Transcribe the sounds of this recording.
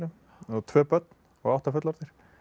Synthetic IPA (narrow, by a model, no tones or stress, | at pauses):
nʏm | ɔðt̪ʰvœːpœt̪n̥ | ɔɣawht̪afʏt̪laɾt̪ɪɾ̥